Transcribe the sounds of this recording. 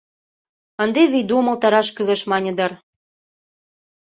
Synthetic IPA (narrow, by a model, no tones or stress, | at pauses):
ənd̪eβijd̪umɤ̆lt̪ɑɾɑʃkyleʃmɑnʲɤ̆d̪ɑr